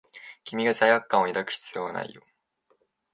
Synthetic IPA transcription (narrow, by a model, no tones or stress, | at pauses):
kʲimʲiɡasaijakːãɰ̃oid̪akɯ̟̥ɕi̥t͡sɨ̥jo̞βana̰ḭjo̰